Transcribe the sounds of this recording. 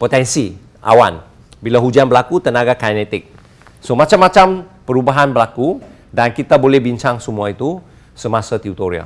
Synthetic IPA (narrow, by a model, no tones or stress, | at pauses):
pot̪ɛnsi | ʔa̰wa̰n | bilaɦud͡ʒanbəlakut̪ənaɡakajnɛt̪ɪk̚ | somat͡ʃamːat͡ʃampəɾubaɦanbəlaku | dankit̪abolɛhbiɲt͡ʃaŋsəmuait̪u | səmasat̪iut̪oɾia̰